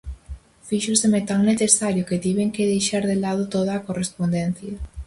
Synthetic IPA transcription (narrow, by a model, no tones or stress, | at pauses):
fiʃʊsemet̪aŋneθesaɾjʊkɪt̪iβeŋkɪðejʃaɾðelað̞ʊt̪oð̞ɐaːkorespond̪ɛn̟θjɐ